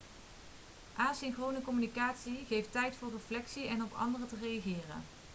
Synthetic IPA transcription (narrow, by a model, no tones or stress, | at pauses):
ʔaːnzɛnχrownəkɔmynikaːtsiχejftɛjtfʊːrəflɛksiɛnɔpɑ̰ndərətərejaχɪːrə̰n